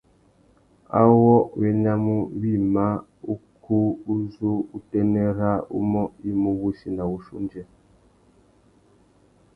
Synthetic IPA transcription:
a̰˦wɔ˦˨e˦ɲa˦mu˦βi˦˨ma˦ | u˦kʰu˦u˦zu˦u˦tɛ˦nɛ˦ɾa˦ṵ˦mɔ˦i˦mu˦βu˦si˨na˨u˨ʃṵ˦nd͡ʒɛ˦

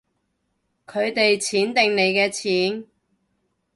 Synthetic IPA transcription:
kʰɵ˨˧ɥt̪e˨jt͡sʰiː˨˥nt̪ɪ˨˧ŋne˨˧jkɛː˧t͡sʰiː˨˥n

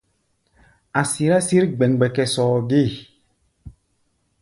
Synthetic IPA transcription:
a˨si˨ɾa˦si˦ɾɡ͡bɛ˨ŋɡ͡bɛ˨kɛ˨sɔː˨ɡi˦˨

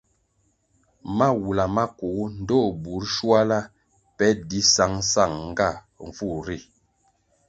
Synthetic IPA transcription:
ma˦wu˨la˨ma˦ku˨˦n̩˦dɔ˦˨bu˨˦ɾʃwa˦la˦ | pɛ˦di˦sa˨˦ŋsa˦˨ŋŋ˦ɡa˦˨ | ɱ˨fu˦˨ɾi˦˨

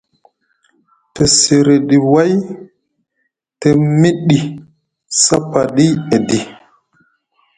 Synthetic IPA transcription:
te˨se˨ɾe˨ɗi˨wa˦j | te˨mi˦ɗi˨ | sa˦pa˨ɗi˦e˨di˨

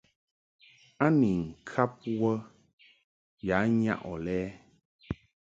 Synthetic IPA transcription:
a˦ni˨ŋ̩˨kʰa˦p̚wə˦ | ja˨˦ɲa̰˦ʔɔ˨lɛː˦

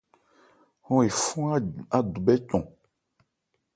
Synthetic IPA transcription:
hɔ̃˦e˨fũ˦a˦a˨du˨bɛ˦cɔ̃˨

